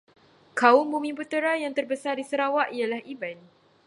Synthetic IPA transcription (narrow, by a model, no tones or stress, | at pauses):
kaʊmbumĩmput̪əɾajaŋt̪ərbəsardisəɾawaʔialahiban